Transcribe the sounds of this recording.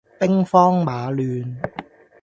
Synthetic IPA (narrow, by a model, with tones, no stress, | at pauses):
pɪ˥ŋfɔː˥ŋmaː˨˧lyː˧n